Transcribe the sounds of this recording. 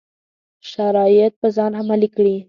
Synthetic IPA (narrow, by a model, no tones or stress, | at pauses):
ʃaɾɑjɪt̪̚pəzɑnhamalikɽi